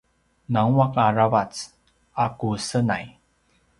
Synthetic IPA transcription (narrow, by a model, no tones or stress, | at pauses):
naŋwakaɹavat͡s | akusəna̰j